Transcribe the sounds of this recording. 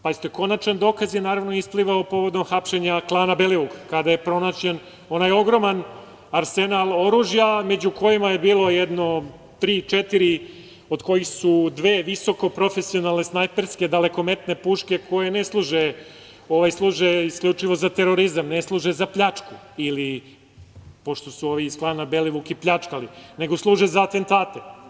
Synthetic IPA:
paist̪oko̞nat͡ʃand̪o̞ːkazjenaːɾaʋnoispliʋaopo̞ʋo̞d̪omxapʃe̞ɲaklˠaːnabeliuɡkad̪aje̞pɾo̞nat͡ɕen | o̞najo̞ɡɾo̞man | aɾsenalˠo̞ɾuːʒjame̞d͡ʑuko̞jimaje̞biːlˠo̞jed̪no̞ | t̪ɾiːt͡ʃet̪iɾi | o̞d̪ko̞jixsud̪ʋeːʋiso̞ko̞pɾo̞fesio̞nalˠnesnajpeɾske̞d̪ale̞ko̞me̞t̪ne̞puːʃke̞kʰo̞jeneslˠuːʒe | o̞ʋajslˠuːʒeiskʎʲut͡ʂiʋo̞zat̪e̞ɾo̞ɾizamneslˠuːʒezapʎat͡ʂku | ili | po̞ʃt̪o̞suo̞ʋiːsklˠaːnabe̞liʋukiplʎat͡ʂkaline̞ɡo̞slˠuːʒezaat̪e̞nt̪aːt̪e

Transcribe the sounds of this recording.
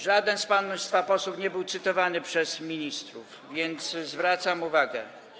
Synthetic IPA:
ʐad̪ɛnspanst̪fapɔsufɲɛbɘwt̪sɘt̪ɔvanɘpʂɛzmʲiɲist̪ɾuf | vʲjɛnt̪szvɾat̪samuvaɡɛ̰

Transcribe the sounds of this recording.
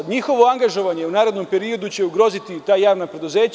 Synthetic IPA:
ɲixo̞ʋo̞aŋɡaʒo̞ʋaɲe̞unaːɾed̪no̞mpe̞ɾio̞d̪ut͡ɕe̞uɡɾo̞ːzit̪it̪aːjaːʋnapɾe̞d̪uze̞ːt͡ɕ

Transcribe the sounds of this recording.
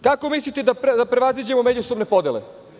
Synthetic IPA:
kako̞mislit̪ed̪apd̪apɾe̞ʋazid͡ʑe̞momed͡ʑusobne̞pod̪jele

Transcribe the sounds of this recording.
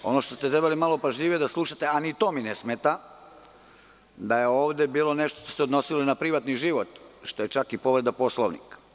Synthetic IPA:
o̞no̞ʃt̪o̞st̪et̪ɾebalimalˠopaʒʎiːʋije̞d̪aslˠuʃat̪e̞anit̪o̞ːminesmet̪a | d̪ajeo̞ːʋd̪e̞biːlˠo̞ne̞ʃt̪oʃt̪osed̪no̞silonapɾiʋat̪niʒiʋo̞t̪ʃt̪o̞je̞t͡ʃakipo̞ʋɾed̪apo̞slˠoʋnḭkḁ

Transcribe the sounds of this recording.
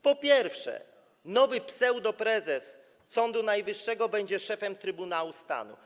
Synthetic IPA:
pɔpʲjɛɾfʂɛ̰ | nɔvɘpsɛwd̪ɔpɾɛzɛs | sɔnd̪unajvɘʂːɛɡɔbɛɲd͡ʑɛʂɛfɛmt̪ɾɘbunawust̪a̰nṵ

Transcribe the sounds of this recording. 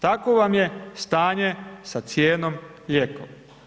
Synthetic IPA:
t̪akoʋamje̞st̪aːɲesat̪sjeːnom | ʎeko̰m

